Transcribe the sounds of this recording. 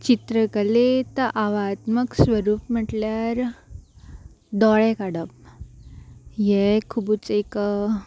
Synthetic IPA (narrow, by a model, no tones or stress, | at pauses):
t͡ɕit̪ɾəkəlet̪əʔaʋat̪məksʋəɾuːpm̤əʈljaɾ | d̪ɔɭɛkaɽəp̚ | jɛkʰubut͡sek